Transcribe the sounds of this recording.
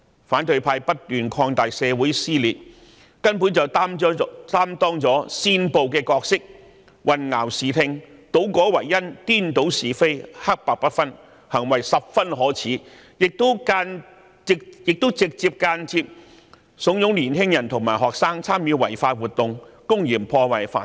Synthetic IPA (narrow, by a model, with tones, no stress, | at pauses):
faː˨˥nt̪ɵ˧ɥpʰaː˧jpɐ˥t̚t̪yː˨nkʰɔː˧ŋt̪aː˨jsɛː˨˧wuː˨˥jsiː˥liː˨t̚ | kɐ˥npuː˨˥nt͡sɐ˨˩wtt̪aː˥mt̪ɔː˥ŋt͡sɔː˨˥siː˥npo˨wkɛː˧kɔː˧k̚sɪ˥k̚ | wɐ˨nŋaː˨˩wsiː˨t̪ʰɪ˧ŋt̪o˨˥wkɔː˨˥wɐ˨˩jːɐ˥nt̪iː˥nt̪o˨˥wsiː˨fe˥jhɐ˥k̚paː˧k̚pɐ˥t̚fɐ˥n | hɐ˨˩ŋwɐ˨˩jsɐ˨p̚fɐ˥nɦɔː˨˥t͡sʰiː˨˥ | jɪ˨k̚t̪ʊ˥wkaː˧n̚˨˧ | jɪ˨k̚t̪o˥wt͡sɪ˨k̚t͡siː˧p̚kaː˧nt͡siː˧p̚ | sʊ˨˥ŋjʊ˨˥ŋliː˨˩nɦɪ˥ŋjɐ˨˩nt̪ʰʊ˨˩ŋmaː˨˩jɦɔː˨k̚saː˥ŋt͡sʰaː˥mjyː˨˧wɐ˨˩jfaː˧t̚wuː˨t̚t̪ʊ˨ŋkʊ˥ŋjiː˨˩mpʰɔː˧wɐ˨˩jfa̰ː˧˥